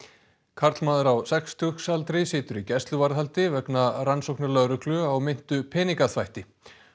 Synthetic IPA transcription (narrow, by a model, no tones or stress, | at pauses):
kʰaɾt̪lmaːðaɾawsɛkst̪ʰʏxsalt̪ɾɪsɪːt̪ʏɾicɛst̪lʏvaɾðhalt̪ɪvɛknaransowknaɾlœðɾʏklʏawmɪn̥t̪ʏpʰɛːniŋkaθvajht̪ɪ